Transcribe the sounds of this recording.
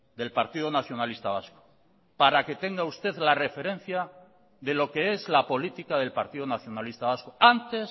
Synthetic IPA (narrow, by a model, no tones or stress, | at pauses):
d̪e̞lpaɾt̪iðonaθjo̞nalist̪aβ̞asko̥ | paɾake̞t̪e̞ŋɡaust̪e̞ðlare̞fe̞ɾe̞n̟θja | ðe̞lo̞ke̞e̞zlapo̞lit̪ikaðe̞lpaɾt̪iðonaθjo̞nalist̪aβaskoant̪e̞s